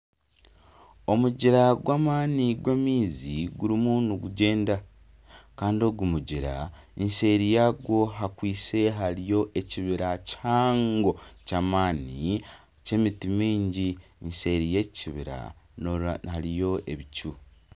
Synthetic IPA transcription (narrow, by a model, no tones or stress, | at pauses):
o̞muɟiɾaɡwaːmaːniɡwemiːziɡuɾimunuɡuɟe̞ːnda | kaːndio̞ɡumuɟiɾa̰ense̞ɾijaɡwo̞ɦakwiːse̞ɦaɾijo̞ʔe̞ciβiɾacaːŋɡo̞caːmaːni | ce̞mitimiːɲɟinse̞ɾije̞ciβiɾa̰ | haɾijo̞ʔe̞βicu